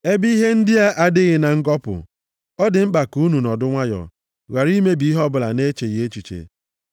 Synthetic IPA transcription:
e˦bi˦ɦe˦n̩˦dɪ˦a˦ʔa˦dɪ˦ɣɪ˨na˨ŋ̩˦ɡɔ˦pʊ̰˨ | ɔ˦dɪ˨ŋ͡m̩˦k͡pa˨ku˦nu˨nɔ˨dʊ˦ŋʷa˦jɔ̰˨ | ɣa˨ɾi˦me˦bi˦ɦɔ˦bʊ˨la̰˨ne˦t͡ʃe˨ɣe˦t͡ʃu˨t͡ʃḛ˨

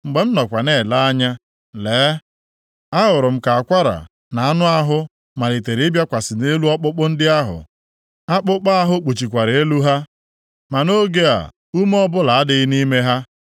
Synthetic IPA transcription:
ŋ͡m̩˨ɡ͡be˨m̩˦nɔ˨kʷa˨ne˦˨la˦a˦ɲa˦ | leː˨˦ | a˦ɦʊ˨ɾʊ˨m̩˦ka˨a˨kʷa˦ɾa̰˨ | na˨a˦nʊ˦a˦ɦʊ˦ | ma˨le˨te˨ɾbja˦kʷa˨sɪ˨ne˦lu˦ɔ˦k͡pʊ˦k͡pʊ˦n̩˦dɪ˦a˦ɦʊ̰˨ | a˦k͡pʊ˦k͡pa˦ɦʊ˦k͡pu˨t͡ʃi˨kʷa˨ɾe˦lu˦ɦa˦ | ma˨no˦ɡe˦a̰˨ | u˦m˦ɔ˦bʊ˦la˨a˦dɪ˦ɪ˦ni˦me˦ɦa˦

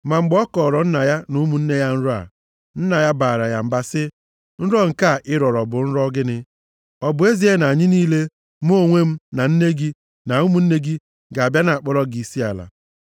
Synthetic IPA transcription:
ma˨ŋ͡m̩˦ɡ͡bɔ˦kɔː˨ɾɔ˨n̩˦na˨ja˦nu˦mu˨n̩˦ne˦ja˦n̩˦ɾʊ˦a̰˨ | n̩˦na˨ja˦baː˨ɾa˨ja˨m̩˨ba˦sɪ˦ | n̩˦ɾɔ˦ŋ̩˨ka˦˨ɪ˦ɾɔ˨ɾɔ˨bʊ˨n̩˦ɾɔ˦ɡɪ˦nɪ˦ | ɔ˨bʊ˨˦e˦zi˦e˦na˨a˨ɲɪ˦niː˦le˦ | m˦o˦o˨ŋʷe˦m̩˦na˨n̩˦ne˦ɡi˦ | na˨u˦mu˦n̩˦ne˦ɡi˦ | ɡa˨a˨bja˦na˨a˨k͡pɔ˦ɾɔ˦ɡi˨si˦a̰˨la̰˨

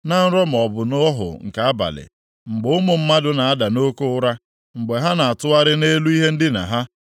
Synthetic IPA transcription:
na˦n̩˦ɾɔ˦m̩˨ɔ˨bʊ˨nɔ˦ɔ˦ɦʊ̰˨ŋ̩˨ka˨a˦ba̰˨lɪ̰˨ | ŋ͡m̩˨ɡ͡bʊ˨˦ʊ˦mʊ˨m̩˦ma˦dʊ˦na˨a˦da˨no˦ko˦ʊ˦ɾa˦ | ŋ͡m̩˨ɡ͡be˨ɦa˦na˨a˨tʊ˦a˦ɾɪ˦ne˦lu˦i˦ɦe˦n̩˦dɪ˦na̰˨ɦa˦

